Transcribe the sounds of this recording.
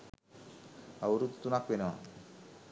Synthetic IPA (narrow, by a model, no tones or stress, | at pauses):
awɾut̪t̪ːunak̚benewa̰